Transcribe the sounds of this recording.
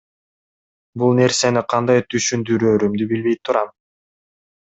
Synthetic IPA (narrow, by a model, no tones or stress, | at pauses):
bulˠne̞ɾse̞niqʰɑnd̪ɑjt̪ʰyʃynd̪yɾøːɾymd̪ybilβe̞j̚t̪ʰːuɾɑm